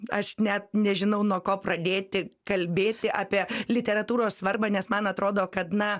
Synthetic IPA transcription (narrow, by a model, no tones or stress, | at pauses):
ɐʃnʲɛt̪̚nʲɛʒʲɪnɐʊnuɔkoːprɐd̪ʲeːt̪ʲɪkɐlʲbʲeːt̪ʲɪʔɑːpʲiɛlʲɪt̪ʲɛɾɐt̪uːɾoːssʋɐrbɐnʲɛsmɐnɐt̪ɾoːd̪oːkɐt̪nɐ